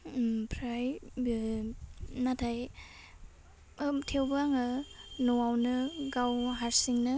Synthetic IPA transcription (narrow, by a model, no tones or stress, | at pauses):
pʰɾajb | natʰaj | tʰewbaŋɯnɔwawnɯɡawɦaɾsiŋnɯ